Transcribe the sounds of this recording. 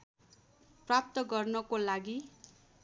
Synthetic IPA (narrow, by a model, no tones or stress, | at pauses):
prap̚t̪ʌɡʌrnʌkolaɡi